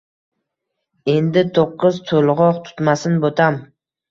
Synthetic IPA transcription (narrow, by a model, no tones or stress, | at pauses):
e̞nd̪ɪt̪ʰoqːɨzt̪ʰolʁɒqt̪ʰʊ̥t̪masɪnbot̪ʰam